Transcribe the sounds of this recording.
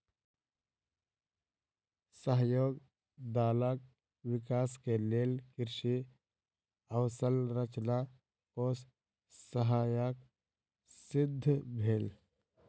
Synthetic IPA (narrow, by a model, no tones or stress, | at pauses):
səɦjoːɡ | d̪aːlək̚ | wɪkaːskeleːlkɪɾʃi | əwsəlɾət͡ʃna | kos | səɦaːjək | sɪd̪ʱːbʱeːl